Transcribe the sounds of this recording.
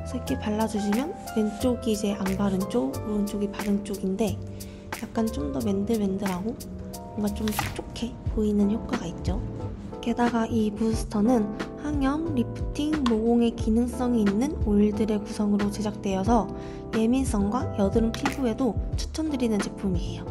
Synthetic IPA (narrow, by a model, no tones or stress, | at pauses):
sʰʌik͈ʰepaɭːad͡ʑuɕʰimjʌn | me̞nt͡ɕ͈oɡid͡ʑe̞ʔambaɾɯnt͡ɕ͈ouɯnt͡ɕ͈oɡipaɾɯŋt͡ɕ͈oɡinde̞ | jak̚k͈ant͡ɕ͈omdʌme̞ndɯɭme̞ndɯɾɦaɡo | mʌŋɡat͡ɕ͈omt͡ɕʰok̚t͡ɕ͈okʰe̞poinɯnçjop̚k͈aɡait̚t͡ɕ͈o | ke̞daɡaʔipusʰɯ̥tʰʌnɯnhaŋjʌŋɾipʰɯ̥tʰiŋmoɡoŋe̞kinɯŋs͈ʌŋeinːɯnoiɭdɯɾe̞kusʰʌŋɯɾot͡ɕed͡ʑak̚t͈we̞jʌsʰʌ | je̞mins͈ʌŋɡwajʌdɯɾɯnpʰibue̞dot͡ɕʰɯ̥t͡ɕʰʌmdɯɾinɯnt͡ɕipʰumiejo